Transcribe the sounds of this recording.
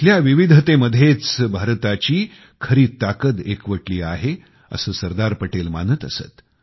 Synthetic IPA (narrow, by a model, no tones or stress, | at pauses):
ljaʋiʋid̪ʱət̪eməd̪ʱjet͡sbʱaɾt̪at͡ɕiː | kʰəɾiːt̪ːakət̪ekʋəʈliːaɦe | ə̰səːsəɾd̪aɾpəʈelmanət̪əsə̰t̪